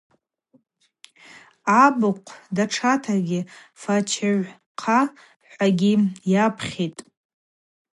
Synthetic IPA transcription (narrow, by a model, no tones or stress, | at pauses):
abɨqʷʰdaʈ͡ʂʰatʰaɡʲɪfat͡ʃʰaʕʷ | qʰa | ħʷaɡʲijapʰχʲitʼ